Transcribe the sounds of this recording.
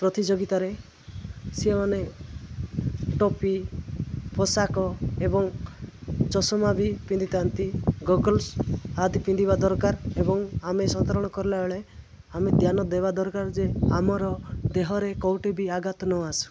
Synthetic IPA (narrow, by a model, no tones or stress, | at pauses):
pɾɔt̪id͡ʒoɡit̪aɾe | simɔne | ʈɔpi | pʰɔsakɔebɔŋ | t͡ʃɔsɔmabʱipind̪it̪ant̪iɡɔɡɔlsad̪ipĩnd̪ibad̪ɔɾkaɾebɔŋamesɔt̪aɾɔɽ̃ɔkɔɾlaɔɭe | amed̪ʱjanɔd̪ebad̪ɔɾkaɾd͡ʒeamɔɾɔd̪eɦɔɾekɔwʈebiaɡat̪nɔasu̥